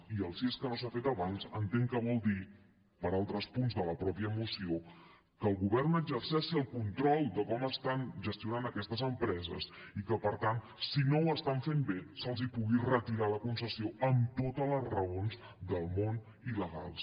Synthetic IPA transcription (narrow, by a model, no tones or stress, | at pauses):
iəlˠsieskənosafet̪əβanzənt̪eŋkəβɔlˠd̪i | pəɾalˠt̪ɾəspunzðələpɾɔpiəmusio | kəːlˠɣuβɛrnəɡzərsɛʃiəlˠkunt̪ɾɔlˠd̪əkɔməst̪anʒəst̪iunanəkɛst̪əzəmpɾɛzə̰sikəpəɾt̪an | sinowəst̪aɱfembesəlˠzipuɣirət̪iɾaləkunsəsioəmt̪ot̪ələzrəonz | d̪əlˠmon | iləɣa̰lˠs